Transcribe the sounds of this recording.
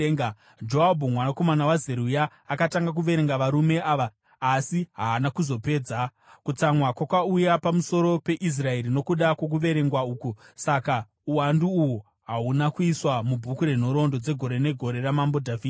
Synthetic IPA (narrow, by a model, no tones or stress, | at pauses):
d͡ʒoabʱumwanako̞manawazeɾujaː | kataŋɡak̬uʋe̞ɾe̞ŋɡaʋaɾume̞ʔaːʋaː | siɦaːnakuzo̞pe̞ːd͡za | kut͡samwakwakaujapamuso̞ɾo̞pe̞ʔis̬rae̞ɾino̞kuɗakwok̬uʋe̞ɾe̞ŋɡwauːkusaka | uwanduːwu | ɦaunakuiswamubʱukuɾe̞n̤o̞ɾo̞ndo̞d͡ze̞ɡʱo̞ɾe̞ne̞ɡʱo̞ɾe̞ramambo̞dʱaviː